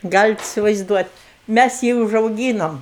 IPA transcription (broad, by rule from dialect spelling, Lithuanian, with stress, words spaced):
ˈɡɑːlʲɪt ɪsʲɪʋɐɪzˈduɔtʲ ˈmʲæs ˈjiː ʊʒɐʊˈɡʲiːnoːm